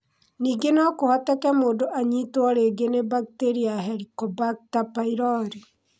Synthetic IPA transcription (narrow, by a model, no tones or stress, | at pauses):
niːɡenɔkohɔtɛkɛmoːdoʔaɲitwɔɾeɡenebak̚teɾiaɦɛɾikɔbak̚tapaiɾɔɾi